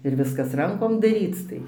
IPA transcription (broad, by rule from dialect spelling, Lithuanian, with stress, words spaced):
ɪr ˈʋʲɪskɐs ˈrɐŋkoːm dɐˈrʲiːt͡s tɐɪ